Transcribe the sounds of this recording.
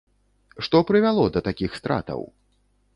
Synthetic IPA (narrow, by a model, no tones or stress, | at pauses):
ʂt̪ɔpɾɨvʲalˠɔd̪ɐt̪akʲixst̪ɾa̰t̪ɐ̰w